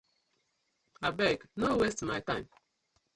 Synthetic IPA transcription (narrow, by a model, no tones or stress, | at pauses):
abɛknowestmajtãɪ̃m